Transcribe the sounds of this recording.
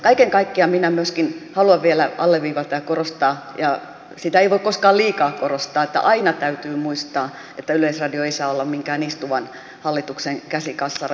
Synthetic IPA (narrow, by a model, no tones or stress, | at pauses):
kɑikeŋkɑikːiɑminæmyøskinhɑluɑʋʋielæɑlːeʋʋiːʋɑt̪ɑjɑkorost̪ɑːjɑ | sit̪æeiʋoikkoskɑːliːkɑːkorost̪ɑːet̪ːæ̰ʔɑinɑt̪æyt̪yːmuist̪ɑː | et̪ːæyleisrɑdioeisɑːolːɑmmiŋkæːnist̪uʋɑn | hɑlːit̪ukseŋkæsikɑsːɑ